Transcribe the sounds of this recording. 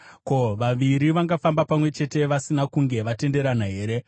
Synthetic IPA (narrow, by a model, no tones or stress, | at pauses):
ko̞ʋaʋiɾiʋaŋɡafambapamwe̞t͡ʃe̞te̞ʋasinakuŋɡe̞ʋate̞nde̞ɾanaɦe̞ːɾe̞